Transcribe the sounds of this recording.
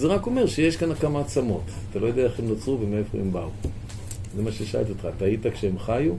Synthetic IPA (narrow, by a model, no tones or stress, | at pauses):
zeʁako̞me̞ʁʃejeʃkanakamaat͡samo̞tat̪alojo̞deae̞emnot͡suvemefo̰embau | zemaʃeʃaa̰lt̪iot̪χaːtaːjitakʃeemχaju